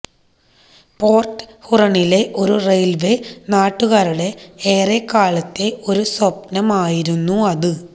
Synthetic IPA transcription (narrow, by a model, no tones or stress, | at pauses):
po̞ːrʈhurɐɳile̞ʔo̞ɾurejlʋenaːʈːuɣaːɾuɽe̞eːrekːaːɭɐt̪ːe̞ʔo̞ɾuswɐp̚nɐmaːjiɾunːuɐðɨ